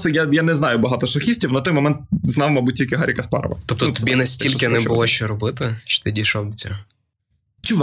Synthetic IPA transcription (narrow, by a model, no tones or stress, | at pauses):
t̪ɔjajanɛznɑjʊbɐɦɑt̪ɔʃɐxʲisʲtʲiwnɐt̪ɔjmɐmɛnt̪̚znɑʋmɐbut̚ʲtʲilʲkɪɦaɾʲikɐspɑ̰ɾɐ̰ʋɐ̰t̪ɔp̚t̪ɔnut̪ɔbʲinɐsʲtʲilʲkɪnɛbʊlˠɔʃt͡ʃɔɾɔbɪt̪ɪt͡ʃɛ̥t̪ɪdʲiʃɔwt͡sʲɐ | t͡ʃɪʋ